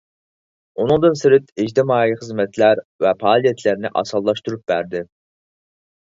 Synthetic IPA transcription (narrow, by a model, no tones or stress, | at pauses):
unɨŋd̪ɨnsɪɾɪt̪ɪd͡ʒt̪ʰɪmɑːiχəzmɛt̪ʰlæɾvɛpʰɑːlˠijɛt̪ʰlæɾnɪ̰ʔɑ̰sɑlˠːɑʃt̪uɾup̚bæɾd̪ɪ